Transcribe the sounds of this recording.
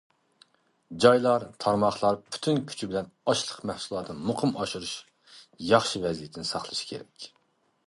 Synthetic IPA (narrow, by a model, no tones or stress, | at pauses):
d͡ʒɑjlˠɑɾt̪ʰɑɾmɑχlˠɑɾpʰy̥t̪ʰynkʲʰy̥t͡ʃʰibɪlɛnɑʃlˠəqmæhsulˠɑːt̪ʰɨnmʊqʰɨmɑʃuɾuʃ | jɑχʃivɛzijet̪ʰɪnɪsɑχlˠɨʃi̥kʲʰeɾɛ̰kʲ